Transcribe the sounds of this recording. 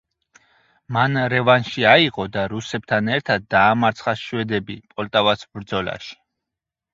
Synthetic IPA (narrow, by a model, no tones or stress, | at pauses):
manɾɛvanʃiaiʁɔd̪aɾusɛb̥̚t̪ʰanɛɾt̪ʰad̪̚ːaːmaɾt̪sʰχaʃwɛd̪ɛbipʼɔlt̪ʼavasbɾd̪zɔla̰ʃi̥